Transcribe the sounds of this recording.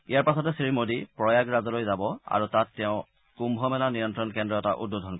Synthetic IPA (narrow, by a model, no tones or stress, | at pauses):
ijaɹpasɔtɛsimodipɹɔjaɡɹazɔlojzabɔa̰ɹutatːɛʊ̃ | kumbʱɔmɛlanijɔntɹɔnkɛndɹɔɛtaʔṵdbudʱɔnkɔ